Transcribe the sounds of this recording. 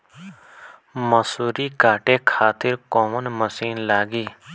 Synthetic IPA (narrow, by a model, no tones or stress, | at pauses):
məsuːɾiːkaːʈeːkʰaːt̪ɪɾkoːmənməsiːnlaːɡiː